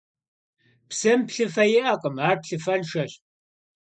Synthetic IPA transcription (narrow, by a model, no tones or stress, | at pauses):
psɐmpɬɨfɐjɪʔɐqʼəmaːrpɬɨfɐnʃɐɕ